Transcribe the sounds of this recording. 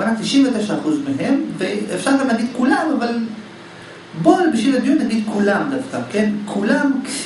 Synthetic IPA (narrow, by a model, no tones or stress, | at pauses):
anat̪iʃimvet̪eʃaːχuzmeɦe̞mveefʃaʁlamaɡid̪kulamaval | boalbiʃilad̪ijunːaɡid̪̚kʰulamd̪afkakenkʰulamk